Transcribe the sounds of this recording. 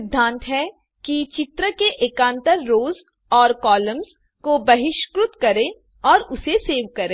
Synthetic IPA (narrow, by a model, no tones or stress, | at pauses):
ɪd̪ʱːãːnt̪ɦɛ | kit͡ʃɪt̪ɾəkeʔeːkãːnt̪əɾːoːz | ɔːɾkɔːləmz | kobɐɦɪʃkɾʊt̪kɐɾẽ | ɔːɾʊseseːʋkɐɾẽː